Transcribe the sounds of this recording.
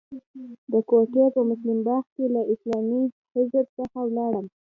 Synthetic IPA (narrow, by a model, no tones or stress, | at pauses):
d̪əkokepəmʊslɪmbɑxkelaʔɪslɑmi | hɪzəɾsəxawlɑɽəm